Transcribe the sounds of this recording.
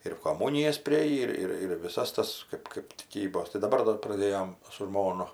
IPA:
ɪr koːˈmuːnʲɪjɛs pʲrʲɪˈeːjiː ˈɪr ˈɪr ɪr ʋʲɪˈsɐs ˈtɐs ˈkɜp kɜp tʲɪˈkʲiːboːs tɐɪ dɐˈbɐr ˈdɐr prɐˈdʲeːjoːm sʊ ˈʒmoːnʊ

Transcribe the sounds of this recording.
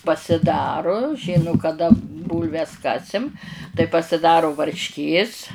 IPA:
pɐsʲɪˈdɑːrʊ ˈʒʲɪnʊ kɐˈdɐ ˈbuːlʲʋʲɛs ˈkɑːsʲɪm tɐɪ pɐsʲɪˈdɑːrʊ ʋɐrʲʃʲˈkʲeːs

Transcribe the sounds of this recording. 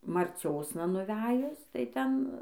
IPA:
mɐrʲˈt͡sʲoːsnɐ nʊˈʋʲæːjʊs tɐɪ ˈtʲɛn

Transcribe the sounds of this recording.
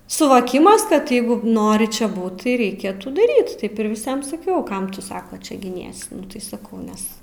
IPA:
sʊʋoːˈkʲɪmɐs kɐt ˈjɛɪɡʊ ˈnoːrʲɪ t͡ʃʲɛ ˈbuːt tɐɪ rʲɛɪˈkʲeːtuː dɐˈrʲiːt ˈtɐɪp ɪr ʋʲɪˈsʲiɛm sɐˈkʲɛʊ ˈkɐm tʊ ˈsɑːkoː ˈt͡ʃʲɛ ɡʲɪˈnʲiɛsʲɪ ˈtɐɪ sɐˈkɐʊ ˈnʲɛs

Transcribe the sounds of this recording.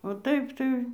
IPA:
oː ˈtɐɪp tɐɪ

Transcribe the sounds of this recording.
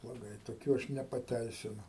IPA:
blˠoːˈɡɐɪ toːˈkʲuː ˈɐʃ nʲɛpɐˈtʲɛɪsʲɪnʊ

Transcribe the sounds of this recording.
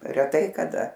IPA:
rʲɛˈtɐɪ kɐˈdɐ

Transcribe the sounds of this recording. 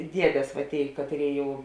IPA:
ˈdʲiɛdʲeːs ʋɐ ˈtʲeːɪ ˈkɑːtʲˌrʲeːɪ ˈjɛʊ

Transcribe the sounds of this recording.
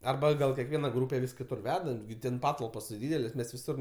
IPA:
ɐrˈbɐ ɡɐlˠ kʲiɛkˈʋʲiɛnɐ ˈɡruːpʲɛ ʋʲɪs kʲɪˈtʊr ˈʋʲæːdɐ ɡʲɪ ˈtʲɛn ˈpɑːtɐlˠpoːs tʲɪ ˈdʲiːdʲɛlʲeːsʲ ˈmʲɛs ʋʲɪˈsʊr

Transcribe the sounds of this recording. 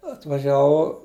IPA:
ɐtʋɐˈʒʲæːʋɐʊ

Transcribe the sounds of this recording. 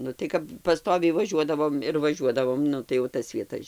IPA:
nʊ tɐɪ ˈkɐp pɐˈstoːʋʲɛɪ ʋɐˈʒʲuɔdɐʋoːm ɪr ʋɐˈʒʲuɔdɐʋoːm ˈnʊ tɐɪ jɛʊ ˈtɐs ʋʲiɛˈtɐs

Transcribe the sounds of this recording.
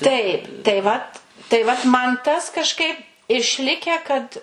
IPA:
tɐɪp tɐɪ ˈʋɐt tɐɪ ʋɐt ˈmɐn ˈtɐs kɐʃˈkɐɪp ɪʃʲˈlʲɪkʲæː kɐt

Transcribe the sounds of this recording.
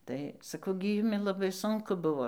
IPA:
ˈtɐɪ sɐˈkɐʊ ɡʲɪ ˈjʊmʲɪ lˠɐˈbɐɪ ˈsʊŋkʊ ˈbʊʋoː

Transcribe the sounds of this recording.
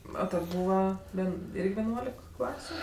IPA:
ˈoː ˈtʲɛn ˈbuːʋɐ ˈʋʲɛn ˈɪrʲɡʲɪ ʋʲɛˈnuɔlʲɪk ˈklˠɑːsʲʊ

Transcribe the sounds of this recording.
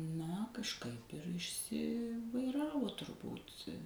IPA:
ˈnɐ kɐʃˈkɐɪp ɪr ɪʃʲˈsʲɪʋɐɪˌrɑːʋoː tʊrˈbuːt

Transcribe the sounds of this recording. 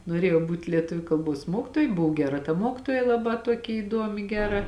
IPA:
noːˈrʲeːjɛʊ ˈbuːtʲ lʲiɛˈtʊʋʲʊ kɐlˠˈboːs ˈmuɔkʲɪtoːjɛ ˈbʊʋoː ˈɡʲæːˌrɐ tɐ ˈmoːkʲɪtoːjɛ lˠɐˈbɑː ˈtuɔkʲɪ iːˈduɔmʲɪ ˈɡʲæːˌrɐ

